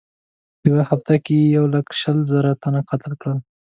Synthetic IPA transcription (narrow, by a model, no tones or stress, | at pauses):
jawahaft̪akejawləkʃəlzəɾat̪anaqat̪əlkɽəl